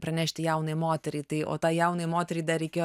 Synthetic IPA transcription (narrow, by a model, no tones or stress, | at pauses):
pɾɐnʲæːʃʲt̪ʲɪjɛʊnɐjmoːt̪ʲɛɾʲɛɪt̪ɐɪo̰ːt̪ɑːjɛʊnɐjmoːt̪ʲɛɾʲiɪd̪ɐɾʲɛɪkʲeːjo